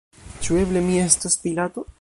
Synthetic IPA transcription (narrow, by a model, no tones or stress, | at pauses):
t͡ʃue̞ble̞mie̞staspilat̪o̞